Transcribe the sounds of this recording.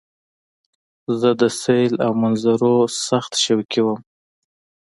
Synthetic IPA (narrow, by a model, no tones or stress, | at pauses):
zəd̪əsejlawmanzaɾosaxt̪ʃawkiwəm